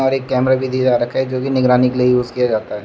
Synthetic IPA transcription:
ɔɾeːkːɛːmɾabʱid̪ʱiːd̪aɾɐkʰɛd͡ʒoːkinɪɡɾaːnikeliejuːzkijad͡ʒaːt̪aɦɛː

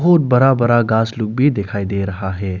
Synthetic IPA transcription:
ɦʊt̪̚bɐɾabəɾaɡaːslʊk̚bʱid̪ekʰaːid̪eɾɐɦaɦɛː

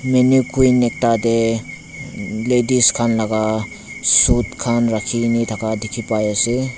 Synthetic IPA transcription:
menikujnek̚tade | lediskʰanlaɡa | sutkʰanɾakʰinitʰakadikʰipajasi

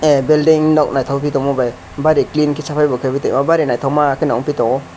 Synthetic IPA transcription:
ebeldiŋnɔk̚najtʰawpʰitɔmɔbaj | baɾiklinkʰisapʰajbɔkʰabitejmabaɾinajtʰawmakʰinaŋpʰitɔɔ

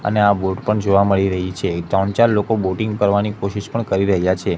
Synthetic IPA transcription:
ə̰neaboʈpəɳd͡ʒoʋaməɭiɾəɦit͡ʃʰed͡ʒant͡ʃaɾlokoboʈɪŋɡkəɾʋanikoʃiʃpəɳkəɾiɾəɦjat͡ʃʰe

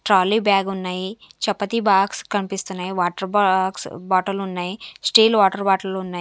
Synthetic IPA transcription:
ʈɾaːlːiːbjaːɡunːaːjit͡ʃɐpːɐt̪ibaːkskɐnipist̪unːaːjiʋaːʈɐɾbaksbaːʈɐlunːaːjisʈiːlʋaːʈɐɾbaːʈɐlunːaː

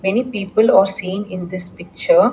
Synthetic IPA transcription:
mɛnipiːpəlaːɾsĩːnɪ̃nd̪ɪspɪk̚t͡ʃəɾ

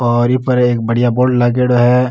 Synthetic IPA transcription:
ɔːɾɪpəɾeːk̚bɐɽ̤ijaboːɾɖlaːk̬eɖoɦɛ

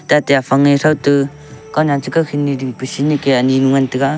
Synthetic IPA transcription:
tatajapʰaŋesawtɯ | kawnantɯkakʰinːidiŋpɯsinikeaninuŋantɯɡa

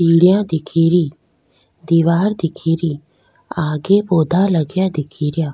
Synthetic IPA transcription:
iːɽɪjãːd̪ɪkʰiːɾiː | d̪iʋaːɾd̪ɪkʰiːɾiː | aːɡeːboːd̪ʱaːləɡjãːd̪ɪkʰiːɾɪjaː

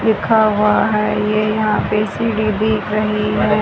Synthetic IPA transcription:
lɪkʰaɦʊaɦɛːjejɐɦãpesiːɽibʱiːkɾɐɦiɦɛː

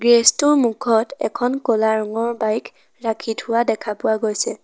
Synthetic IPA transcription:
ɡɹestʊɹmukʰɔtɛ̰kʰɔnkɔlaɹɔŋɔɹbajkʰ | ɹakʰitʰʊwadɛkʰapʊwaɡojsɛ

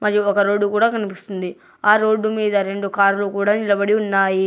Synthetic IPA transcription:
mɐɾiɔkɐɾo̞ːɖːukuːɽaːkɐnipist̪und̪i | aːɾo̞ːɖːumiːd̪ɐɾe̞ɳɖukaːɾulukuːɽaːnilɐbɐɽiunːaːji

